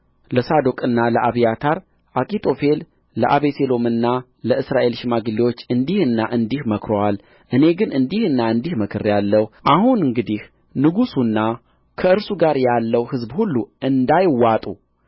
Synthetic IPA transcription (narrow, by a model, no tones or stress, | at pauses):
ləsad̪o̞kʼɨnːaləʔaβijat̪ʰaɾ | ʔakʼit̪ʰʼo̞fe̞l | ləʔaβeselo̞mɨnːa | ləɨsɾaʔe̞lʃɪmaɡɨliwot͡ʃːɨnd̪ihɨnːaʔɨnd̪ihməkʰɾowal | ʔɨne̞ɡɨnɨnd̪ihɨnːaɨnd̪ihməkʰɨɾjalːəhuʔahunɨŋɡɨd̪ih | nɨɡusunːa | kʰəɨɾsuɡaɾjalːəwhɨzbhulːuɨnd̪ajwːat̪ʼu